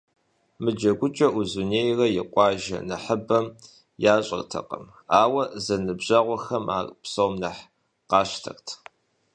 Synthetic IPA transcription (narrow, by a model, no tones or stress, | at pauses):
mɨd͡ʒɐɡʷʊt͡ʃʼɐʔuzuneːjrɐjɪqʷʼɑːʒɐ̰nɐħəbɐm | jaːɕʼɐ̰rtʰɐ̰qʼɐ̰m | aːwɐzɐnɨbʑɐʁʷɔxɐma̰ːrpsowmnɐħ | qɑːɕtʰɐ̰rtʰ